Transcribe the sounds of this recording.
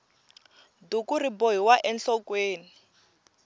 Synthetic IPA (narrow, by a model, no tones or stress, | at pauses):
dukuriboɦiwaʔɛnɬɔkweːni